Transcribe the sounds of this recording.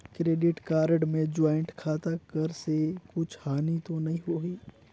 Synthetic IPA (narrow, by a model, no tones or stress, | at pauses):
kɾeːɖɪʈkaːɾɖmẽd͡ʒaːɪ̃ɳʈkʰaːt̪akəɾsekʊt͡ʃʰhaːnit̪onɐɦĩɦoːiː